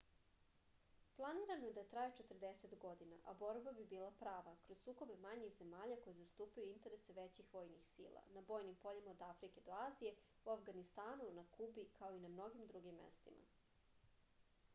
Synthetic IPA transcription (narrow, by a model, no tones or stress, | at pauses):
plˠaniːɾanojed̪at̪ɾajet͡ʃet̪ərd̪eset̪ɡod̪ina̰ʔabo̞ɾbabibiːlˠapɾaːʋakɾozsuːko̞be̞maɲixze̞maːʎako̞jezast̪uːpajuint̪e̞ɾese̞ʋet͡ɕixʋo̞jnixsḭːlˠa̰nabo̞ːjnimpo̞ʎimaod̪afɾike̞d̪o̞aːzije̞ | uafɡanist̪aːnunakubikao̞inamno̞ɡimd̪ɾuɡimːḛst̪ḭmʔa̰